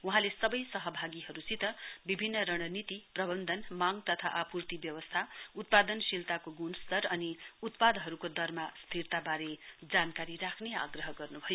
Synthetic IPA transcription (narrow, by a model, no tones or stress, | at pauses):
uɦãlesʌbʌjsʌɦʌbʱaɡiɦʌɾusit̪ʌbibʱinːʌɾʌɽ̃ʌnit̪iprʌbʌnd̪ʱʌnmaŋt̪ʌt̪ʰa̰ʔapurt̪ibjʌwʌst̪ʰaut̪̚pad̪ʌnsilt̪akoɡunst̪ʌɾʌniut̪pad̪ɦʌɾukod̪ʌrmast̪ʰirt̪abaɾed͡zankaɾirakʰnea̰ɡrʌɦʌɡʌrnubʱʌjo